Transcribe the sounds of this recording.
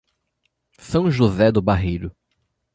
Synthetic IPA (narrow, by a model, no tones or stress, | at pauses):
sɐ̃w̃ʒuzɛd̪ʊbaɦejɾʊ